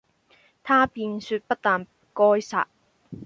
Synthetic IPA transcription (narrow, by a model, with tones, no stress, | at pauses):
t̪ʰaː˥piː˧nsyː˧t̚pɐ˥t̚t̪aː˨˧n | kɔː˥jsa̰ː˨t̚